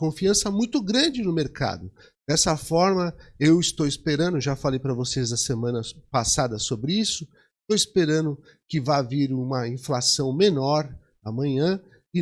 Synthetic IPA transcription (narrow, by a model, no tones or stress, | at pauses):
kõfiɐ̃sɐmũj̃t̪ʊɡɾɐ̃d͡ʒɪnʊmeɾka̰d̪ʊ | d̪̥ɛsɐfɔɾmɐewɪst̪owɪspeɾɐ̃nd̪ʊʒafalejpɾɐvosezd̪ɐsemɐ̃nɐpasad̪ɐsobɾɪisʊ | st̪owɪspeɾɐ̃nd̪ʊ | kɪvaviɾũmɐĩflasɐ̃w̃menɔɾ | ɐmɐ̃ɲɐ̃ | ɪ